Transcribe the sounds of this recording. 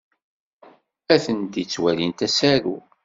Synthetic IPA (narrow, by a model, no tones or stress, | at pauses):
æθənt̪it͡sːwælint̪æsæɾṵ